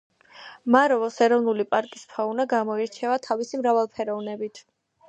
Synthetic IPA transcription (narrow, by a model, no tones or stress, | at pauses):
maɾɔvɔsɛɾɔvnulipʼaɾkʼispʰaunaɡamɔiɾt͡ʃʰɛvat̪ʰavisimɾavalˠpʰɛɾɔvnɛbit̪ʰ